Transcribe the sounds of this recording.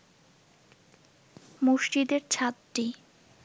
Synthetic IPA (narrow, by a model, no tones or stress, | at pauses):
muʃʈid̪eɾt͡ɕʰat̪ʈi